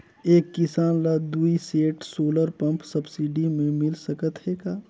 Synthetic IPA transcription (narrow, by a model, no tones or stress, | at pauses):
eːkːɪsaːnlad̪uːiseːʈsoːləɾpə̃mpsɐbsiɖimẽmɪlsəkət̪ɦeːɡaː